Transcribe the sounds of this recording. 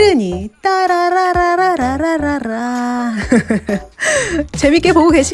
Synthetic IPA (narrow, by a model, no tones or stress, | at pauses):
ɾɯɲit͈aɾaɾaɾaɾaɾaɾaɾaɾa | t͡ɕe̞mik͈e̞poɡoɡeɕʰi